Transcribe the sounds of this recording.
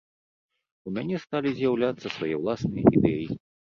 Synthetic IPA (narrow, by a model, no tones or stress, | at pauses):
umʲanʲɛst̪alʲizʲjawlʲat̪sːɐsvajɛwlˠasnɨjɐ̰ḭd̪ɛji